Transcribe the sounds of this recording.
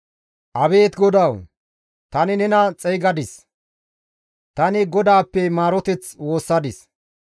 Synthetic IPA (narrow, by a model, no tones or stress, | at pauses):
ʔɐbe̞ːt̪ɡɔd̪ɐw | t̪ɐnɪnɛnɐt͡sʼɛjɡɐd̪ɪs | t̪ɐnɪɡɔd̪aːpːɛmaːɾɔt̪ɛt͡swo̞ːsːɐd̪ɪs